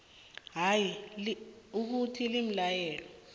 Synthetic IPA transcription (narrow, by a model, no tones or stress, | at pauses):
ɦajiluk̬utʰilim̩lajɛːlɔ